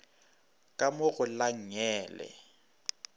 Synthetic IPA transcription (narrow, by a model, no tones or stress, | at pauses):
kʼamʊɣʊlaŋ̩ɛːlɛ̰